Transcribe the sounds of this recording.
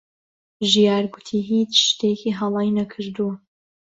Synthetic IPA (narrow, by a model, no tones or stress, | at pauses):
ʒijaːɾɡʊt̪ʰiːɦiːt͡ʃʃt̪ʰekiɦɐlˠɑːjnɐkʰɨɾd̪u